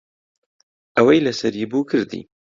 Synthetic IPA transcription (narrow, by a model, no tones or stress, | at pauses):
awajlasaɾjebukʰɨɾd̪ḭ